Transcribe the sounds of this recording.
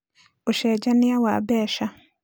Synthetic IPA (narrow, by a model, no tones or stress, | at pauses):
oʃɛːd͡ʒanijawa̰ːbɛːʃa